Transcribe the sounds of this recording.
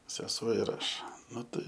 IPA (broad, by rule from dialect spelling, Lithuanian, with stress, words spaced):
sʲɛˈsuɔ ɪr ˈɐʃ ˈnʊ tɐɪ